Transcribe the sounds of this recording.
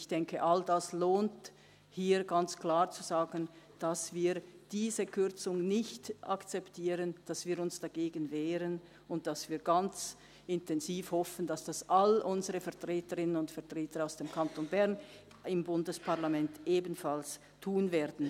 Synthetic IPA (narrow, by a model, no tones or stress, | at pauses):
ɪçd̥ɛŋkəʔaldasloːnt | hiːɡant͡sklaːʁt͡suzaːɡən | d̥asv̥iːɐd̥iːzəkʰʏʁt͡sʊŋnɪçtʔa̰kt͡sɛptʰiːʁənd̥asv̥iːɐɾʊnsd̥aɡ̥eːɡənvɛːʁən | ʊnt̚d̥asv̥iːɐɡant͡s | ɪntʰɛnziːfhɔfən̩dasd̥asʔalʔʊnzəʁəfɛɐtʁ̥eːtəʁɪnənʊntfɛɐtʁ̥eːtəɾaʊsd̥eːmkʰantonbɛʁn | ɪmbʊndəspʰaɐʁlamɛntʔeːbn̩fals | tʰuːnvɛːɐdn̩